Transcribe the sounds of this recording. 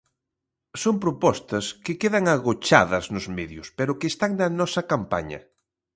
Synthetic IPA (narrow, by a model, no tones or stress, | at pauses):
sompɾopɔst̪ɐskɪkeðɐŋaɣot͡ʃa̰ðɐznʊzmeðjʊspeɾʊkest̪aŋnɐnɔsɐkampa̰ɲɐ̰